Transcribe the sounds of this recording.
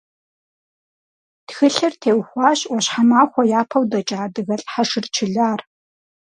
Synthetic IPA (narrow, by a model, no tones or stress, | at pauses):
txɨɬɐrtʰeːwxʷɑːɕwʷɔɕħamaːxʷɔjaːpʰɐwdɐt͡ʃʼaːdɨɣɐɬʼħaʂɪrt͡ʃʰɪɮaːr